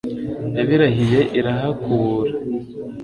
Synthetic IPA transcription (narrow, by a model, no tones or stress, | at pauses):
eβiɾaɦije̞ʔiɾaɦakʰuːɾa